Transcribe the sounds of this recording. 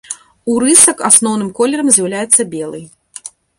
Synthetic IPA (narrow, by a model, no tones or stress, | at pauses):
uɾɨsɐkasnɔwnɨmkɔlʲɛɾɐmzʲjawlʲajɛt̪sːɐbʲɛlˠɨ̰j